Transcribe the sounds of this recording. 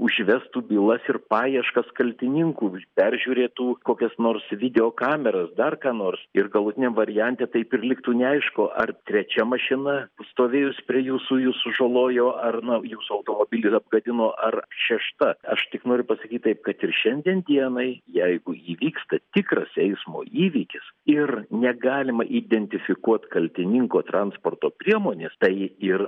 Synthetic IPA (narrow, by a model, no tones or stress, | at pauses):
ʊʒʲʋʲɛst̪uːbʲiːlˠɐsɪrpɑːjiɛʃkɐskɐlʲt̪ʲɪnʲɪŋkuːpʲɛrʲʒʲuːɾʲeːt̪uːkoːkʲɛsnoːrsʋʲɪd̪ʲɛoːkɑːmʲɛɾɐsd̪ɐrkɑːnoːrsɪrɡɐlˠʊt̪ʲɪnʲɛmʋɐɾʲɪjɛnʲt̪ʲeːt̪ɐɪpɪrlʲɪkt̪uːnʲɛɐɪʃkoːʔɐrt̪ʲɾʲɛt͡ʃʲɛmɐʃʲɪnɐst̪oːʋʲeːjʊsʲpʲɾʲiɛjuːsujuːsʊʒolˠoːjoːʔɐrnɐjuːsʊɐʊt̪oːmoːbʲɪlʲɪsɐb̚ɡɐd̪ʲɪnoːʔɐrʃʲɛʃt̪ɐɐʃt̪ʲɪknoːɾʲʊpɐsɐkʲiːt̪̚t̪ɐɪp̚kɐt̪ɪrʃʲɛnʲd̪ʲiɛnd̪ʲiɛnɐɪjɛɪɡʊiːʋʲiːkst̪ɐt̪ʲɪkrɐsɛɪsmo̰ːiːʋʲiːkʲɪsɪrnʲɛɡɑːlʲɪmɐʔiːd̪ʲɛnʲt̪ʲɪfʲɪkuɔt̪kɐlʲt̪ʲɪnʲɪŋkoːt̪ɾɐnspoːrt̪oːpʲɾʲiɛmoːnʲeːst̪ɐɪɪr